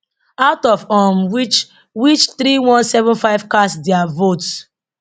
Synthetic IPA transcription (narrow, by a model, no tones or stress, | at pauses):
aʊtɔvɔmwt͡ʃ | wit͡ʃθɾiwɔ̃nsɛvɔ̃nfaɪv̥kasdɛavot